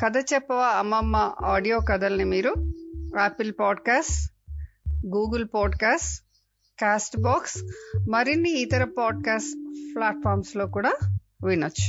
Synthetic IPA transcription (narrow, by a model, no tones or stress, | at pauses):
kɐd̪ɐt͡ʃɛpːɐʋaːɐmːɐmːaʔaːɖijoːkɐd̪ɐlɐnimiːɾuaːpilpaːɖkaːsʈ | ɡuːɡɐlpaːɖkaːsʈ | kaːsʈbaːksmɐɾinːiːt̪ɐɾɐpaːɖ̚kaːsʈplaːʈ̚fʰaːɾmslo̞ːkuːɽaː | ʋinɐt͡ʃːu̥